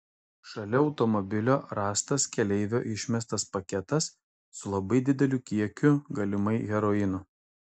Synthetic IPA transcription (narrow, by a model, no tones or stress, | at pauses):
ʃɐlʲɛɒʊt̪ɔmɔbʲɪlʲoːɾɑːst̪ɐskʲɛlʲɛɪʋʲo̰ːʔɪʃʲmʲɛst̪ɐspɐkʲɛt̪ɐsː | ʊlˠɐbɐɪd̪ʲɪd̪ʲɛlʲukʲiɛkʲʊɡɐlʲɪmɐɪɣʲɛɾɔɪnʊ